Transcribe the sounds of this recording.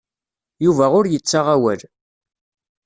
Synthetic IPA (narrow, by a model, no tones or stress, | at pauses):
juvæʁʊɾjət͡sːaʁawæl